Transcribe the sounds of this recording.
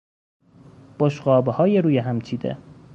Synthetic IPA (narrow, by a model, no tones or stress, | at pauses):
b̥oʃɢɒːbehɒːjeɾuːjeɦæmt͡ʃʰiːd̪ḛ